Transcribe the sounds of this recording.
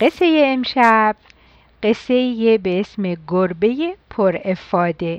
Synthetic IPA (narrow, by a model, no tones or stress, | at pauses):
ɢe̞sejeːmʃæb̥̚ | ɢesːejebeesmeɡoɾbejepʰoɾefɒːd̪e